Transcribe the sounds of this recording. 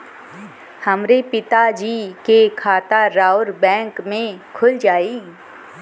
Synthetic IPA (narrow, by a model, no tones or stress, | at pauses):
həmɾepɪt̪ad͡ʒiːkekʰaːt̪aɾaːʊɾbɛ̃ːŋkmẽkʰʊld͡ʒaːiː